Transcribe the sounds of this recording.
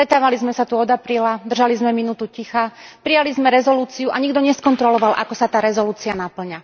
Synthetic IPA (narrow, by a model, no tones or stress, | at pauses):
st̪ɾɛt̪aːʋalizmɛsat̪uɔd̪apɾiːlad̪rʒalizmɛminuːt̪ucixapɾijalizmɛɾɛzɔluːt͡siuʔaɲiɡd̪ɔɲɛskɔnt̪ɾɔlɔʋalʔa̰kɔsat̪aːɾɛzɔluːt͡sianapl̩ɲa